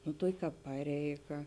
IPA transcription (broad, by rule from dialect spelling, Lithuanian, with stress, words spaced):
nʊ ˈtuɔkʲɪ ˈkɑːp ˈpɑːrʲɛɪˌɡɐ